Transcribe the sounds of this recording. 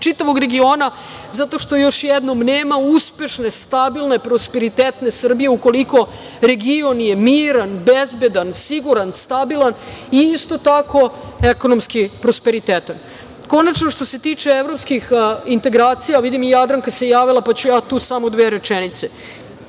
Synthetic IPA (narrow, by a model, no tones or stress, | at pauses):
t͡ʃit̪aʋo̞ɡɾe̞ɡio̞ːna | zat̪o̞ʃt̪o̞jo̞ʃjed̪no̞mneːmauspe̞ʃne̞st̪abilˠne̞pɾo̞spe̞ɾit̪eːt̪ne̞sr̩bije̞uko̞liko̞ | ɾe̞ɡio̞nje̞miːɾanbezbe̞d̪ansiɡuɾanst̪abilˠaniist̪o̞t̪ako̞e̞ko̞nomskipɾo̞spe̞ɾit̪eːt̪an | ko̞nat͡ʃno̞ʃt̪o̞se̞t̪iːt͡ʂeeʋɾo̞pskixint̪e̞ɡɾaːt̪sijaʋid̪imijad̪ɾaŋkase̞jaːʋilˠapat͡ɕujaːt̪uːsamo̞d̪ʋeːɾe̞t͡ʃenit̪se̞